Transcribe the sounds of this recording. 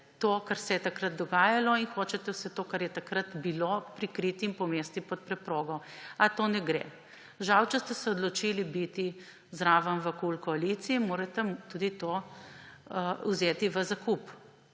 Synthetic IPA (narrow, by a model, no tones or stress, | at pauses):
t̪oːkaɾsɛjɛt̪akɾət̪̚d̪ɔɡaːjalɔinxoːt͡ʃɛt̪ɛwsɛt̪oːkaɾjɛt̪akɾat̪bilopɾikɾiːt̪impɔmeːst̪ipɔt̪̚pɾɛpɾoːɡɔat̪oːnɛɡɾḛː | ʒawt͡ʃɛst̪ɛsɛɔd̪lɔt͡ʃilibit̪i | zɾaːʋɐnʋəkulkɔalit̪siimoːɾɛt̪ɛt̪ud̪it̪oː | wzeːt̪iʋəzakup